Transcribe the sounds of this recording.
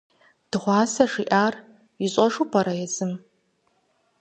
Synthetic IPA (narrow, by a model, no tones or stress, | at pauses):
d̥ɨʁʷɑːsɐʂiʔaːr | iɕʼɐʂupʰɐɾɐjɛzɨm